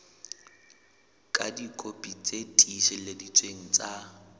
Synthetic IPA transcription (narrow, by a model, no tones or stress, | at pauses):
kʼa̰dikʼopʼit͡sʼetʼiʃɪledit͡sʼweŋ̩t͡sʼa